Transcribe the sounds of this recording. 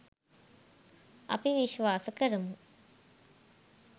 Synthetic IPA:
a̰piʋiʃʋaːsəkəɾəmu

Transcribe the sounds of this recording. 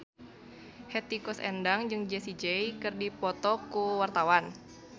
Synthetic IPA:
hɛt̪ikɔsɛ̰ndaŋd͡ʒɨŋd͡ʒɛsid͡ʒɛjkɨrdipɔt̪ɔkuwart̪awan

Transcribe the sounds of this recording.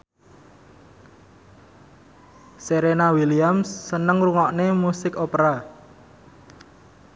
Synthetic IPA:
seɾenawiliamsːənəŋruŋɔʔnemusɪkopɾa

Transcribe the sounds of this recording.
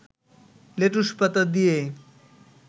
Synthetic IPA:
leʈuʃpat̪ad̪ije

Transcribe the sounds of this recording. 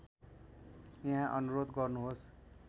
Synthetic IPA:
jʌɦãʔʌnuɾod̪ɡʌrnuɦos

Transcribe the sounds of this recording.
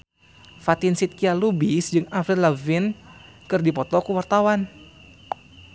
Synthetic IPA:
fat̪insit̪̚kialubisd͡ʒɨŋafɾilavinkɨrdipɔt̪ɔkuwart̪awan

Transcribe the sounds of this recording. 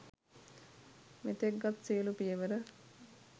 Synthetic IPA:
met̪eɡːat̪silupijəʋəɾə

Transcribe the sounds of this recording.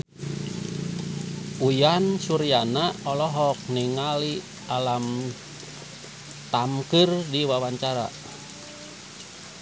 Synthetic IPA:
ujansuɾianaɔlɔɦɔk̚niŋali | alam | t̪amkɨrdiwawaɲt͡ʃaɾa̰

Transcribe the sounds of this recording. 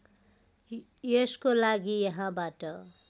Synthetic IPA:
jeskolaɡijʌɦãbaʈʌ

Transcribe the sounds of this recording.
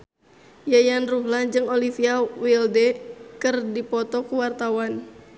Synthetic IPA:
jajanruɦland͡ʒɨŋolifiawildɛkɨrdipɔt̪ɔkuwart̪awan

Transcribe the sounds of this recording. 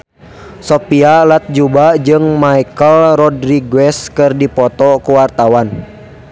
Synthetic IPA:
sɔpialat̪̚d͡ʒubad͡ʒɨŋmaikəlrɔdɾiɡwɛskɨrdipɔt̪ɔkuwart̪awan

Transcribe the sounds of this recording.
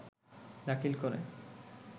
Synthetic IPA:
d̪akʰilkoɾḛ

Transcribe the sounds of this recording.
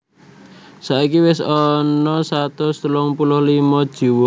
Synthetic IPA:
saikiwɪsɔnɔsat̪ʊst̪əlɔŋpulʊhlimɔd̥ʒ̥i̤wɔ

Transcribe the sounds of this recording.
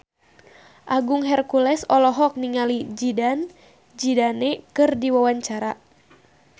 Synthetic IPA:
ʔaɡuŋɦɛrkulɛsɔlɔɦɔk̚niŋalid͡ʒidan | d͡ʒidanɛkɨrdiwawaɲt͡ʃaɾa

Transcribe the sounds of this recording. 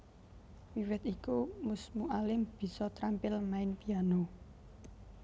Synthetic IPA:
wiwɪt̪ikumʊsmuʔalɪmb̥i̤sɔt̪ɾampɪlmaɪnpiano

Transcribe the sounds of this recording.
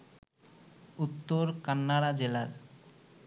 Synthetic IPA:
ut̪ːoɾkanːaɽad͡ʑelaɾ

